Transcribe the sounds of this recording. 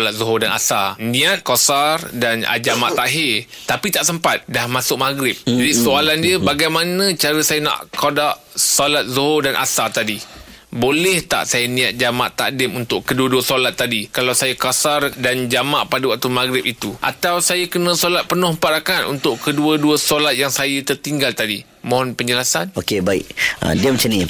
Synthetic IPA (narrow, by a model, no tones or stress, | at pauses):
lat̪̚zoɦʊdana̰sanĩat̪̚kosardana̰d͡ʒamaʔt̪aɦɪ | t̪apit̪aʔsəmpat̪̚dahmasʊk̚maɡɾɪp̚d͡ʒadisoalandiəbaɡajmanə̃t͡ʃaɾəsajanã̰ʔkodaʔ | solat̪̚zoɦodanʔa̰sat̪adi | bolɛht̪a̰ʔsajənĩat̪̚d͡ʒama̰ʔt̪a̰dɪmunt̪ʊʔkəduəduəsolat̪ːadikalawsajakasardand͡ʒamaʔpadawaʔ̚t̪umaɡɾɪp̚it̪uʔa̰t̪awsajəkənə̃solat̪̚pənʊhmpaɾakanṵnt̪ʊʔkəduəduəsolat̪̚jaŋsajət̪ərt̪iŋɡalt̪adi | mõɦɔnpəɲd͡ʒəlasanokebaḭk̚ə̰diəmat͡ʃanĩ